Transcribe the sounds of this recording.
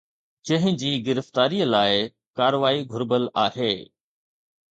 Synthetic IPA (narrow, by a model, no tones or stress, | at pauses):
d͡ʑɐ̃ɦɪ̃d͡ʑiːɡɪɾəft̪aːɾijəlaːɪ | kaːɾʋaːiɡʱʊɾbəlaːheː